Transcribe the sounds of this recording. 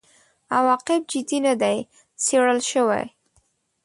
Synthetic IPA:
awɑqɪb̚d͡ʒɪd̪inad̪aj | seɽəlʃəwa̰j

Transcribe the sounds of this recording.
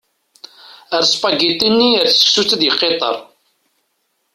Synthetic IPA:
əɾspɑɡit̪ˤːinːiəɾθsə̥ksut͡sːəd̪jəqːet̪ˤə̰ɾˤ

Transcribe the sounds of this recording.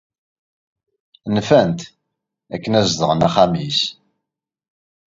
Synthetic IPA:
nfænt̪ | ækːənæzðəʁənæχamis

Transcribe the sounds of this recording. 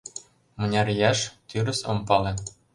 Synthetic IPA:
mɤ̆nʲɑɾjɑʃt̪yɾɘ̆sŏ̰mpɑlĕ

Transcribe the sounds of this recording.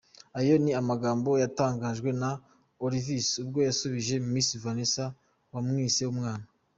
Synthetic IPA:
ajo̞niamaɡaːmbo̞jataːŋɡaːʒɡwe̞na | oɾivisubɡo̞jasuβiʒe̞mumĩːnsivanesa | wamŋiːsiwumŋaːna

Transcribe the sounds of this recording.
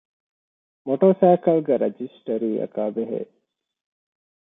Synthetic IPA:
moʈoːsæːkɐlɡeɾed͡ʒisʈɐɾiːɐ̰kaːbeɦḛː

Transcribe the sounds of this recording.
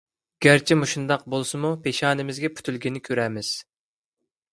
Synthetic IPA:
ɡ̥ʲæɾt͡ʃʰimuʃund̪ɑq̚bolˠsɨmupʰeʃɑːnɪmɪzɡʲɛpʰy̥t̪ʰylɡʲinɪkʲʰøɾæmɪz̥

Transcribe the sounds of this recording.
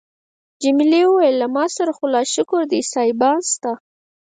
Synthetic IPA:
d͡ʒɪmlewəwajlːamɑsaɾaxʊlɑʃʊkʊɾd̪isɑjbɑnst̪a

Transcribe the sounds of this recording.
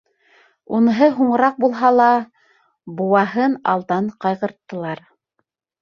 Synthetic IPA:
unɤ̆ɦɤɦuɴɤ̆ɾɑq̚bulˠɦɑlˠɑ | buwɑɦɤnɑlˠd̪ɑɴqɑjʁɤ̆ɾt̪ːɤ̆lˠɑɾ

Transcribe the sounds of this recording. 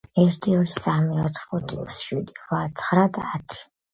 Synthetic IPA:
ɛɾt̪ʰʼiɔɾisamiat̪ʰχɔt̪ʰʼḭusʃid̪ivat̪sʰχɾad̪at̪ʰi̥

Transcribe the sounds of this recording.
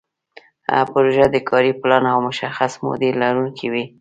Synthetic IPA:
a̰pʊɾoʒad̪əkʰɑɾiplɑnawmʊʃaxasmo̰d̪elaɾunkʰiwi

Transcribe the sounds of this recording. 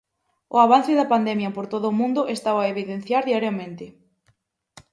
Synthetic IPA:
ʊ̰aβan̟θeðɐpand̪ɛmjɐpoɾt̪oðʊːmũnd̪ʊʔest̪aβaeβ̞iðen̟θjaɾðiaɾjamẽnt̪ɪ

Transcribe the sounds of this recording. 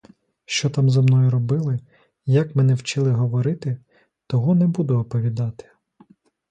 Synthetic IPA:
ʃt͡ʃɔt̪ɑmzɐmnɔjʊɾɔbɪlˠɪ | jɐkmɛnɛwt͡ʃɪlˠɪɦɔʋɔɾɪt̪ɪ | t̪ɔɦɔnɛbud̪ʊɔpɔʋʲid̪ɑt̪ɪ̥

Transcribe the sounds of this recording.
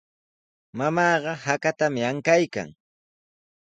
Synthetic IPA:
mamɑːɢɑhakat̪amɪaŋkajka̰ŋ

